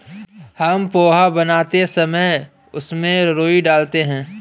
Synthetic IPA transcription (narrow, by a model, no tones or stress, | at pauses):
hɐmpoːɦabɐnaːt̪esɐməɪ | ʊsmẽɾoːiɖaːlt̪eɦɛ̃ː